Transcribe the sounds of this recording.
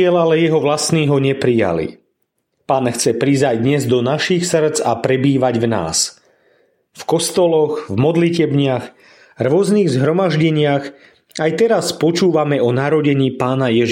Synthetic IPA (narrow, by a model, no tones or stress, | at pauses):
ɛlalɛjɛɦɔʋlasniːɦɔɲɛpɾija̰lḭ | paːnxt͡sɛpɾizajd̪ɲɛzd̪ɔnaʃixsr̩d͡zapɾɛbiːʋaɟvna̰ːs | fkɔst̪ɔlɔɣvmɔd̪licɛbɲɪax | rʊɔzniːɣzɦɾɔmaʒɟɛɲɪaɣ | ajt̪ɛɾaspɔt͡ʃuːʋamɛɔnaɾɔɟɛɲiːpaːnajɛʒ